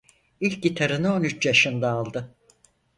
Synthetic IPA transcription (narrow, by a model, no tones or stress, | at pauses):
ilʲk̚ɟit̪ʰaɾɯnɯo̞nyt͡ʃjaʃɯnd̪aːlˠd̪ɯ